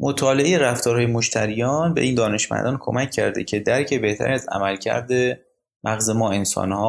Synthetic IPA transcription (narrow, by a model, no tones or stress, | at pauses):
mʔot̪ʰɒːle̞ejeɾæft̪ɒːɾɦːjemoʃt̪ʰæɾijɒːnbe̞ʔiːnd̪ɒːne̞ʃmæ̰nd̪ɒːnkʰomæcʰːæ̰ɾd̪ecʰe̞d̪æɾcʰe̞be̞ht̪ʰæ̰ɾiːæzæ̰mælcʰæ̰ɾd̪e | mʔæɣze̞mɒːe̞nsɒ̰ːnhɒː